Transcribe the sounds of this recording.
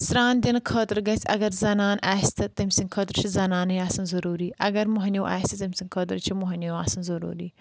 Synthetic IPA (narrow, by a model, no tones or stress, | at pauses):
sɾaːnd̪inkʰoːt̪ɾɡɐsʲɐɡɐɾzɐnaːnaːist̪ɨt̪ɐmʲsiŋɡkʰoːt̪ɾt͡ʃʰizɐnaːniaːsɐnzɐɾuːɾiːʔɐɡɐɾmoɦnʲjoʔa̰ːsʲt̪ɨt̪ɐmʲsiŋɡkʰoːt̪ɾt͡ʃʰimoɦɐnʲjoaːsɐnzɐɾṵːɾiː